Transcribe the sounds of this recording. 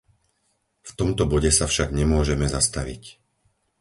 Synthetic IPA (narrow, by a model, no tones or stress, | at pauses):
ft̪ɔmt̪ɔbɔɟɛsafʃaɡɲɛmʊɔʒɛmɛzast̪aʋḭc